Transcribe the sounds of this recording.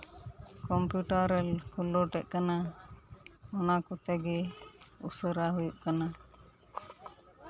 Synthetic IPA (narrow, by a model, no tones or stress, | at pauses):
kɔmpjuʈaɾɛlkulɔʈɛt̪̚kana | ɔnakɔt̪ɛɡɛusəɾaɦujuʔkana